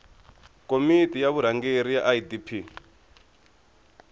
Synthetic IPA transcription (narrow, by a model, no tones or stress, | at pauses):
kʼomitʼijaβuɾ̤aŋɡeɾija̰ʔaidipʰi